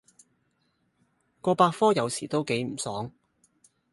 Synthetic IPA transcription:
kɔː˧paː˧t̚fɔː˥jɐ˨˧wsiː˨˩t̪o˥wke˨˥jm̩˨˩sɔː˨˥ŋ

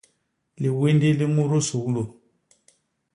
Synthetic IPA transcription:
li˨we˦ndi˦li˦mu˦ɾo˦su˨ɣlo˨

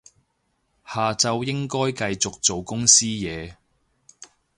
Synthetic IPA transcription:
haː˨t͡sɐ˨wjɪ˥ŋkɔː˥jkɐ˧jt͡sʊ˨k̚t͡so˨wkʊ˥ŋsiː˥jɛː˨˧

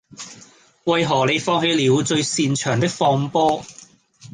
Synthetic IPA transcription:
wɐ˨jɦɔː˨˩le˨˧jfɔː˧ŋɦe˧jliː˨˧wt͡ʃɵ˧ɥsiː˧nt͡ʃʰœː˨˩ŋt̪ɪ˥k̚fɔː˧ŋpɔː˥

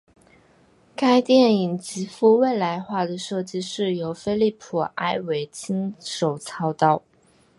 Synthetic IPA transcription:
ka˥ɪt̪jɛ˥˩ni˨˩ŋt͡ɕi˧˥fu˥˧we˥˩ɪla˧˥ɪxwa˥˩d̪ə˩ʂɤ˥˩t͡ɕi˥ʂɻ̩˥˩jo˧˥ʊfe˥ɪli˥˩pʰu˨˩a˥ɪwe˧˥ɪt͡ɕʰi˥ŋʂo˨˩ʊt͡sʰɑ˥ʊt̪ɑ˥˩ʊ

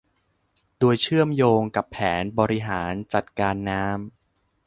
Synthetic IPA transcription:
doː˧əjt͡ɕʰɯ˥˩əmjoː˧ŋka˨˩pʰːɛː˩˦nbɔː˧ɾi˦˥ɦaː˩˦nt͡ɕa˨˩t̪̚kaː˧nːaː˦˥m

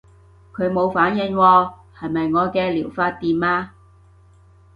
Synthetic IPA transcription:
kʰɵ˨˧ɥmo˨˧wfaː˨˥njɪ˨˧ŋwɔː˧ | hɐ˨jmɐ˨jŋɔː˨˧kɛː˧liː˨˩wfaː˧t̚t̪iː˨maː˧

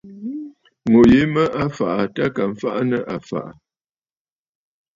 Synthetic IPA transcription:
ŋo˨je˨˦mə˦ʔa˦fa˨ʔa˨ta˦ka˨m̩˦fa˦ʔa˦nə˦ʔa˨fa̰˨ʔa˨

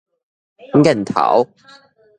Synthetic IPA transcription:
ŋ̩˦kɛ˥˨˩n̩˨t̪ʰa̰˨˩˦w

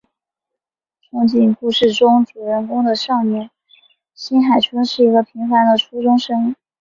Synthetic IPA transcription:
ʈ͡ʂʰʊ˥ŋt͡ɕi˥˩npu˥˧ʂɻ̩˥˩ʈ͡ʂʊ˥ŋʈ͡ʂu˨˩ɻə˧˥˩nkʊ˥ŋd̪ə˨ʂɑ˥˧ŋmjɛ˥˩n | ɕi˥nxa˨˩ɪt͡ɕʰə˥nʂɻ̩˥˩i˧˥ɡə˧pʰi˧˥ŋfa˧˥nd̪ə˨ʈ͡ʂʰu˥ʈ͡ʂʊ˥ŋʂɤ˥ŋ˥

